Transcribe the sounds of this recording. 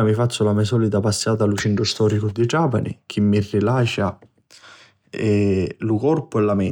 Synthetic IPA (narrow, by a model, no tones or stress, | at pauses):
amifat͡ʃːʊlamɛsɔːlit̪apasːaːt̪alut͡ʃiɳʈɾʊst̪ɔːɾikʊd̪id͡ʒaːpanḭk̟ʰimːirːilaːt͡ʃa | ɛlukɔrpʊɛlːamɛ